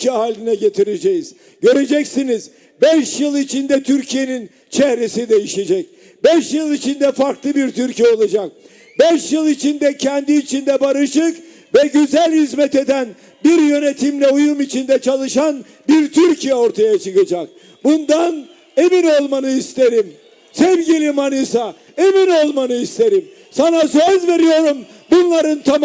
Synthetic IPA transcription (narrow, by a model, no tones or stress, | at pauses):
ɛhaːlʲːinɛɟe̞t̪ʰiɾed͡ʒejiz̥ | ɟø̞ɾe̞d͡ʒɛcsiniz | bɛʃjɯlˠit͡ʃʰind̪ɛt̪ʰyɾcʰije̞nin | t͡ʃʰɛhɾe̞sid̪e̞jiʃe̞d͡ʒɛc | bɛʃjɯlˠit͡ʃʰind̪ɛfaɾklˠɯbiɾt̪ʰyɾcʰijɛo̞lˠad͡ʒak̚ | bɛʃjɯlˠit͡ʃʰind̪ɛcʰɛnd̪iːt͡ʃʰind̪ɛbaɾɯʃɯk | vɛɟyzælʲhizmɛt̪e̞d̪æn | biɾjø̞net̪ʰimlʲɛujumit͡ʃʰind̪ɛt͡ʃʰalˠɯʃan | biɾt̪ʰyɾcʰijɛoɾt̪ʰajat͡ʃʰɯkad͡ʒak̚ | bund̪an | e̞mino̞lˠmanɯist̪ʰe̞ɾim | sɛvɟilʲimanɯsa | emino̞lˠmanɯist̪ʰe̞ɾim | sanasøzve̞ɾijo̞ɾum | bunlˠaɾɯnt̪ʰa